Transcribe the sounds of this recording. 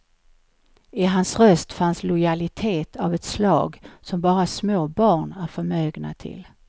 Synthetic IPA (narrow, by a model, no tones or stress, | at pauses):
ɪɦansɾœst̪fanslʊjalɪt̪ʰeːt̪ʰavɛt̪slɑ̰ːɡsɔmbɑːɾasmoːbɑːɳæɾfœɾmøːɡna̰t̪ʰɪ̰l